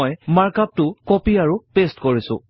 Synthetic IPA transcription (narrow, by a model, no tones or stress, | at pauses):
jmaɹkap̚tʊkɔpiaɹupestkoɹisʊ̰̃